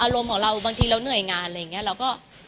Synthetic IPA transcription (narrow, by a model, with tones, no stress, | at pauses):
ʔaː˧ɾo˧mkʰɔː˩˦ŋɾa˧wbaː˧ŋt̪ʰiː˧ɾa˧wnɯ˨˩əjŋaː˧nla˧ja˨˩ŋi˦˥ɐɾa˧wkɔː˥˩